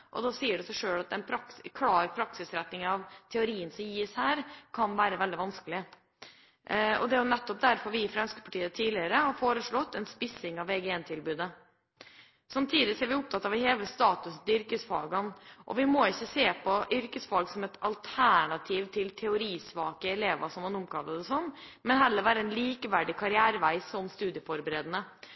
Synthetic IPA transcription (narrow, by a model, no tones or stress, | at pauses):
ʔɔ̰d̪ɑsiːəɖɛsæɪʂøːɽɑt̪ɛnpʰɾɑkskʰlɑːɾpʰɾɑksɪsɾɛt̪nɪŋɑʋt̪ʰɛʊɾiːənsɔmjiːshæːɾkʰɑnʋæːɾəʋɛld̪ɪʋɑnskəlɪ | ɔ̰d̪ɛjʊnɛt̪ːɔp̚d̪æɾfɔɾʋɪɪfɾɑnskə̥pʰɑʈiːət̪ʰiːlɪəɾəhɑɾfoːɾəʂɭɔt̪ːɛnspɪsɪŋɑʋɛɡɛɛnt̪ʰɪlbʉːd̪ə | sɑmt̪ʰiːd̪ɪsɔæɾʋɪʊp̚t̪ʰɑt̪ːɑːʋɪheːləst̪ɑːt̪ʉsn̩t̪ʏɾkəsfɑːɡɑnʔɔ̰ʋɪmɔɪçːəseːpʰɔʔʏɾkəsfɑːɡsɔmɛt̪ɑlt̪ʰæɳɑt̪ʰiːʋt̪ʰɪlt̪ʰɛʊɾiːsʋɑːkəɛleːʋɑsɔmɑnʊmkʰɑlːəd̪ɛsɔnːmɛnɦɛlːəɾʋæːɾəɛnliːkəʋæɖɪkʰɑɾɪæːɾəʋæɪsɔmst̪ʉːd̪ɪəfɔɾbəɾeːd̪ənə